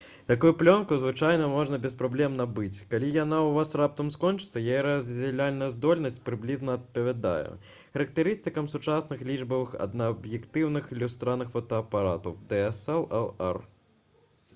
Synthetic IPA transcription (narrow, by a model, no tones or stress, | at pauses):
t̪akujuplʲɔnkuzvɨt͡ʂajnɐmɔʐnɐbʲɛspɾablʲɛmnɐbɨt͡sʲkalʲijanauvasrap̚t̪ɐmskɔnt͡ʂɨ̥t̪sːɐjajɛɾɐzʲd͡zʲɛlʲalʲnɐjɐzd̪ɔlʲnɐsʲt͡sʲpɾɨblʲiznɐɐt̪̚pɐvʲad̪a̰jṵ | xɐɾɐk̚t̪ɨɾɨst̪ɨkɐmsut͡ʂasnɨxlʲiʐbɐvɨxɐ̰d̪nɐːbjɛkt̪ɨwnɨxilʲust̪ɾanɨxfɔt̪ɔɐpaɾat̪ɐwd̪ɛɛsɛlˠɛlˠɛ̰r